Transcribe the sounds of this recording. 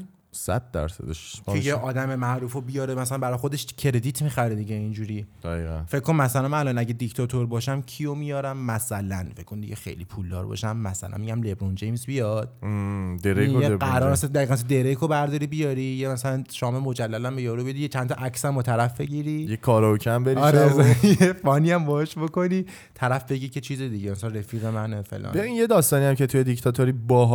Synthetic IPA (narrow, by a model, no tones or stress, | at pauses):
sæ̰d̪̚d̪æ̰ɾsæ̰d̪eʃʰejeɒːd̪æmemæʔɾuːfobijɒːɾemæsælænbæɾɒjxod̪eʃcʰeɾe̞d̪it̪ʰmiχæɾɾid̪iɟeind͡ʒuːɾiːd̪̥æɣiːɣæ̰nfekʰːonmæsælæmælɒnæɟed̪ict̪ʰɒt̪ʰoɾbɒːʃæmcʰijo̞mijɒːɾæmːæsælænfeckʰkʰːond̪iɟexḛjlḭpʰuld̪ɒ̰ːɾbɒ̰ʃæmːæsæ̰læ̰nmiɟæmlebɾond͡ʒejmzbijɒd̪̥d̪eɾekojeæɾɔːɾmæsænd̪æiɣænms̬nd̪e̞ɾekʰobæɾd̪ɒːɾibijɒɾijemæsælænʃɒːmemod͡ʒælːælæmbejɒɾubed̪ijet͡ʃʰænt̪ʰɒʔæksæmbɒt̪ʰæɾæfbe̞ɟiɾijekʰɒːɾɔocʰæmbeɾiɒɾezjefɒniæmbɒeʃbo̞ko̞niː | t̪ʰæɾæfbe̞ɟicʰet͡ʃʰiːzed̪iɟemæsælænre̞fiːɣe̞mænefḛlʔɒ̰ːnbeinjed̪ɒːst̪ɒːnijæmcʰet̪ʰujed̪ict̪ʰɒt̪ʰoɾibɒːɦ